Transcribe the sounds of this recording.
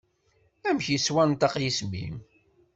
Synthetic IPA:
æmçjiswænt̪ɑqjismḭm

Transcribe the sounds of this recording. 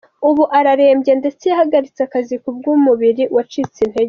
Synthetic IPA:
uβuʔaɾaɾe̞ːmbje̞nde̞t͡sejahaɡaɾit͡seakazikub̚ɡuːmuβiɾiwat͡ʃit͡sin̥he̞ɡe

